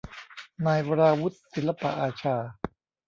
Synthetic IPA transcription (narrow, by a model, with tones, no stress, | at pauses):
naː˧jwa˧ɾaː˧wu˦˥t̪̚si˨˩˦la˧pa̰˧˨ʔaː˧t͡ɕʰaː˧